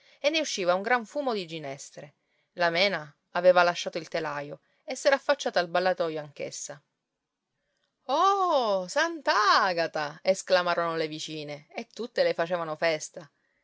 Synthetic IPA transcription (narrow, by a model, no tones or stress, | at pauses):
enːeuʃːiːvauŋɡɾaɱfuːmod̪id͡ʒinɛst̪ɾe | lamɛːnaː | veːvalaʃːaːt̪oilt̪elajo | esːɛːɾaːfːat͡ʃːaːt̪albalːat̪ɔjoaŋk̟ḛsːa | ɔsant̪aaaɡat̪aesklamaːɾonolevit͡ʃiːneːt̪ːut̪ːelefat͡ʃeːvanofɛst̪a